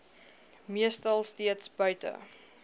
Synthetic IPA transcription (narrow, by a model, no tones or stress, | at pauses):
miəstɐlˠstiətsbœɥtə̰